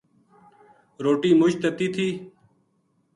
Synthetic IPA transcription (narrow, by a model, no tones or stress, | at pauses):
ɾoːʈiːmʊʃt̪ət̪iːt̪ʰiː